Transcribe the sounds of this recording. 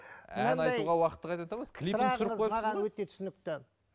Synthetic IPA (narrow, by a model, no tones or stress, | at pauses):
æ̰ɑnɑjjt̪uʁɑwɑqət̪ːəqɑjt̪ɑt̪ɑməzkʲʰliɾɪnɑəsɾəzʰojɑmɑsʁɑnwɵt̪e̞t̪ʰʏ̥sɪnɪk̚t̪ɪ